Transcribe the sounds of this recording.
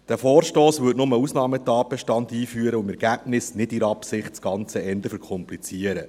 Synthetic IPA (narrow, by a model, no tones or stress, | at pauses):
d̥æfɔːɾʃtoːsʋʏtnʊməusnɑːmətɑːt̚bɛʃtɑntiːfyːəɾəʊmɛɾɡ̥æːb̥nɪsnɪdɪɾɑpsɪχtt͡sɡ̥ɑnt͡səɛnd̪əfɛɾkʰɔmplit͡siəɾə